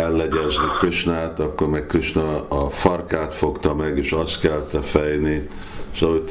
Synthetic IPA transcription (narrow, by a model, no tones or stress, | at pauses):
ɛlːɛɟɛznikøt͡ʃnaːt̪ɒkːormɛkkøt͡ʃnɛɒfɒrkaːt̪fo̞kt̪ɒmɛɡeːʃɒst̪kɛlt̪ɛfɛjni | ʃɒɦoc̚t̪